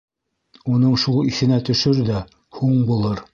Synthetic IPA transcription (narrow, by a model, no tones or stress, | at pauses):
unɤɴʃulˠiθɘ̆næt̪ɵ̆ʃɵɾðæ | huɴbulˠɤɾ